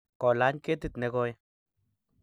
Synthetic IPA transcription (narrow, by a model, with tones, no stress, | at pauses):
ko˨la˨˦ɲke˦t̪i˧t̪ne˦ɡo˦j